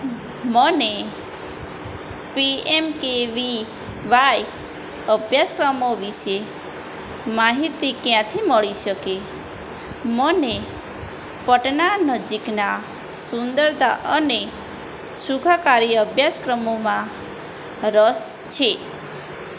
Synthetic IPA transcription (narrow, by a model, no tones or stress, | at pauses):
məne | piemkeʋi | ʋaj | əbʱjaskɾəmoʋiʃe | maɦit̪ikjãt̪ʰiməɭiʃəke | məne | pəʈnanəd͡ʒikna | sund̪əɾd̪a̰ʔəne | sukʰakaɾiəbʱjaskɾəmomã | ɾəst͡ʃʰe